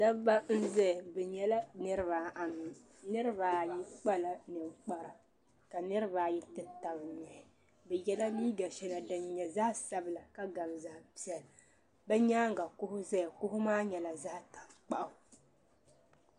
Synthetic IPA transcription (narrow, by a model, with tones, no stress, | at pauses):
da˦ba˦n̩˦zɛ˦˨bɛ˨ɲɛ˦la˦nɨ˦ɾɨ˦βaː˨˦ʔa˨mi˨ | nɨ˦ɾɨ˦baː˨˦ji˦k͡pa˦la˨nɨ˨m˦k͡pa˦ɾa˨ | ka˨nɨ˦ɾɨ˦βaː˦ji˦tɨ˦ta˨bɨ˨ɲɛ˨ | bɛ˨jɛ˦la˦niː˦ɡa˨ʃɛ˦na˨dɨ˨nɲɛ˨za˦sa˦bɨ˨la˨ka˦ɡa˨m˨za˨ʔpi˦ɛ˨l | bɛ˦ɲaː˦ŋ˨ɡa˨kʊ˦hʊ˦zɛ˦jkʊ˦hʊ˦maː˦ɲɛ˨la˨za˦ta˨mk͡pa˦˨ʔʊ˨